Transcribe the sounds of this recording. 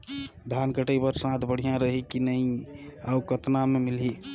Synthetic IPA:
d̪ʱankəʈəjpəɾsãt̪ʰbəɽ̤ijãɾəɦikinəĩaʊkət̪namemɪlɦi

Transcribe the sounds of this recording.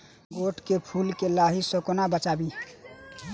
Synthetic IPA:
ɡoʈkepʰuːlkelaɦisəkonabət͡ʃabi

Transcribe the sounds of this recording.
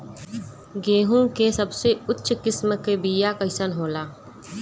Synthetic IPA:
ɡeːɦũkesəbseʊtːʃkɪsmkebijakəɪsənɦoːlaː

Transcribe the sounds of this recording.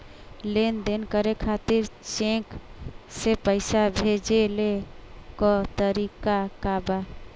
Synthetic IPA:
lend̪enkəɾekʰat̪iɾt͡ʃẽksepəɪsabʱed͡ʒelekɔt̪əɾikakaba

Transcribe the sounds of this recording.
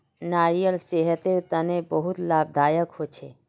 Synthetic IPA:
naɾijəlseɦət̪eɾt̪ənebəɦut̪lab̚d̪ʱaːjəkɦot͡ʃʰḛ

